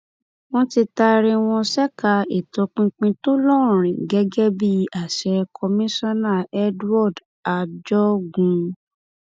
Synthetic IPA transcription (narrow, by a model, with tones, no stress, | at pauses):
w̃ɔ̃˦ti˧ta˧ɾĩ˧w̃ɔ̃˧sɛ˦ka˧e˨to˨˧k͡pĩ˧k͡pĩ˧to˦lɔ̃˦˨ɾ̃ĩ˨ɡɛ˦ɡɛ˦bi˦˧a˨ʃɛ˧kʰɔ˧mĩ˦sɔ˦na˦˨ɛ˦dɔ˦˨d | a˧d͡ʒɔ˦ɡũ˨˧